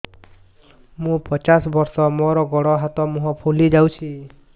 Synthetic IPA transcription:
mũpɔt͡ʃasbɔɾsɔmɔɾɔɡɔɽɔɦat̪ɔmuɦɔ̃pʰulid͡ʒawt͡ʃʰi

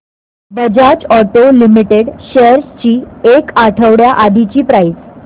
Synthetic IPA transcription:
bəd͡ʑat͡ɕɔʈolimiʈeɽɕeəɾst͡ɕiːekaʈʰəʋɽjaʔad̪ʱit͡ɕiːpɾajs

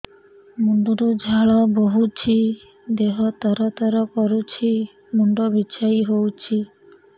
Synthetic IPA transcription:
muɳɖuɾud͡ʒʱaɭɔboɦut͡ʃʰi | d̪eɦɔt̪ɔɾɔt̪ɔɾɔkɔɾut͡ʃʰi | muɳɖɔbit͡ʃʰaiɦowt͡ʃʰi

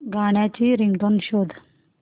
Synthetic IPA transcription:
ɡaɽ̃jat͡ɕiːɾiŋd̪onɕod̪ʱ

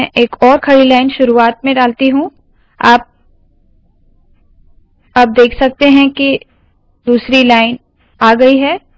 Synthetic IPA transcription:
ʔeːkɔːɾkʰɐɽilaːɪnʃʊɾuaːt̪̚mẽɖaːlt̪iɦũ | aːp̚ | ɐb̚d̪eːkʰsɐk̚t̪eɦɛ̃ki | d̪uːsɾilaːɪn | aːɡɐiɦɛː

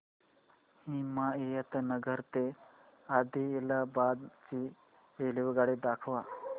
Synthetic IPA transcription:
himaejat̪ənəɡəɾt̪e | ad̪ʱielabad̪t͡ɕi | eliʋəɡaɽed̪akʰʋa

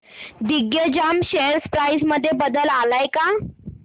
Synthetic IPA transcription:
d̪iɡjəd͡ʑamɕeəɾspɾajsməd̪ʱːjebəd̪əlalajka

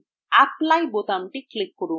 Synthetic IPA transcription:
aplajbot̪amʈiklikːuɾu

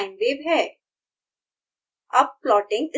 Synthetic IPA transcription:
ɪ̃nɖʋeːbɦɛː | ɐb̚plɔːʈɪ̃ŋɡɪ

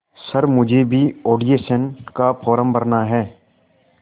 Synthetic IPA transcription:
səɾmʊd͡ʒʱebʱioːɖijeːʃənkapʰɔːɾəmbəɾnaɦɛː

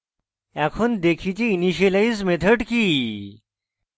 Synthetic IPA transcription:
ɛkʰond̪ekʰit͡ɕiiniɕelaid͡zmet̪ʰəʈkiː

